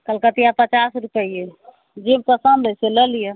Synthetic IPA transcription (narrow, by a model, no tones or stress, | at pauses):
kəlkət̪ijapət͡ʃasɾupəije | d͡ʒemt̪əsəmbəseləlije